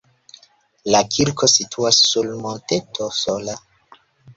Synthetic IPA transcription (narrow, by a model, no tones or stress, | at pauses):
lakʰiɾkʰo̞sitʰuasːulmonte̞tosola